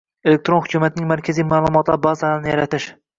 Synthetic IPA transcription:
elek̚ʲt̪ɾonhʊkʲʰumat̪ɪnɪŋʲmaɾkʲʰazijmaːlˠʊmɒt̪lˠaɾbɑzaɾalnɪjaɾat̪ɪʃ

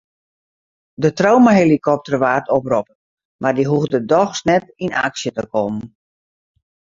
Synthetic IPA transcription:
dətrowmaɦelikʰɔp̚tərʋaːrtɔprɔpən | mʔardiɦuɣdədɔxsnɛtina̰ksjətəkɔmən

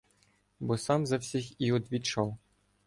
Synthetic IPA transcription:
bɔsɑmzɐwsʲixiɔd̪ʋʲit͡ʃɔw

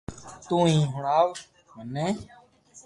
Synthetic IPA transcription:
t̪ũːĩːɦʊɳaːʋ | mənẽː

